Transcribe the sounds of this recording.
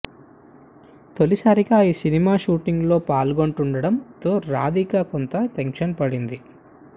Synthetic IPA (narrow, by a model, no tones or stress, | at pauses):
t̪olisaːɾikaiːsinimaːʃuːʈiŋɡlo̞ːpaːlɡoɳʈuɳɖɐɽɐmt̪oːɾa̰ːd̪ikaːkont̪ɐt̪eŋkʂɐnpɐɽind̪i